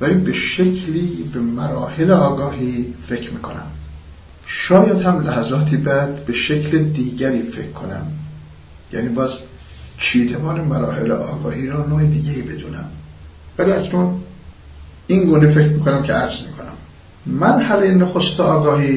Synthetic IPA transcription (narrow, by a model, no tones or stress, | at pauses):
væliːbeʃecʰliːbe̞mæɾɒ̰ːhe̞leɒːɡɒːhiːfe̞cʰɾmiːkʰo̞̰næ̰m | ʃɒːjæd̪hæmlæhæzɒːt̪ʰiːbæd̪be̞ʃecʰled̪iːɟæɾiːfe̞̰kʰːo̞næ̰m | jæ̰ːniːbɒːz | t͡ʃʰiːd̪ebɒːnemæɾɒ̰ːhe̞̰lḛʔɒ̰ːɡɒːhiːɾɒːnoːed̪iːɟeiːbe̞d̪ṵːnæ̰m | væliːæcnuːn | iŋɡuːnefe̞cɾmiːkʰo̞næmcʰeæɾzmiːkʰo̞næ̰m | mænhælejenoxost̪eɒːɡɒːhiː